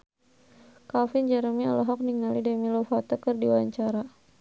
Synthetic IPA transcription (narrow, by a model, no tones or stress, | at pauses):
kafind͡ʒaɾəmialɔɦɔk̚niŋalidɛmilɔfat̪ɔkɨrdiwaɲt͡ʃaɾa